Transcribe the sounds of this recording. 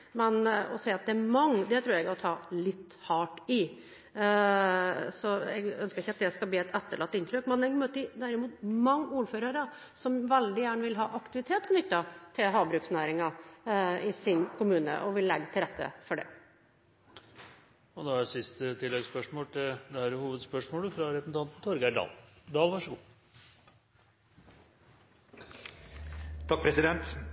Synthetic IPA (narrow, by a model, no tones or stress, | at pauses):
mɛnɔ̰seːɑt̪̚d̪ɛæmɑŋːəd̪ɛt̪ʰɾʉːɾɛɡɔt̪ʰɑːlɪt̪ːhɑːʈɪ | sɔɛ̰ɡœnskəɾɪçːəɑt̪̚d̪ɛskɑlbliːɛt̪ʰɛt̪ːəɭɑt̪ːɪnt̪ɾøkmɛnɛɡmøːt̪ːəɪd̪æɾɪmuːt̪mɑŋːuːɾføːɾəɾə | sɔmʋɛld̪ɪjæːɳʋɪlɦɑːʔɑkt̪ɪʋɪt̪ʰeːt̪kʰnʏt̪ːɑt̪ʰɪlɦɑːbɾʉːksnæːɾɪŋɑ | ɪsɪnkʊmʉːnə̰ʔɔʋɪlːɛɡːət̪ʰɪlɾɛt̪ʰːə̰fɔɖɛ̰ | ɔd̪ɑæsɪst̪ət̪ʰɪlːɛɡspœʂmoːlt̪ʰɪd̪ɛæɾhuːʋəd̪spœʂmoːləfɾɑɾɛpsn̩t̪ʰɑnt̪n̩t̪ʰɔɾɡæɖɑ̰ːld̪ɑːlʋɑʂəɡuː | t̪ʰɑk̚pʰɾɛsɪd̪ɛnt̪